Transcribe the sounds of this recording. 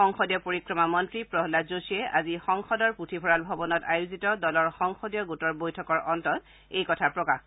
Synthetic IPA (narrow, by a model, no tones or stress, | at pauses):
ɔŋxɔdjɔpoɹikɹɔmamɔntɹipɹɔɦlazosiɛʔa̰zixɔŋxɔdɔɹputʰibʰʱɔɹalbʱɔbɔnɔtajuzitɔdɔlɔɹxɔŋxɔdjɔɡutɔɹbojtʰɔkɔɹʔɔntɔt | ejkɔtʰaɹpɹɔkax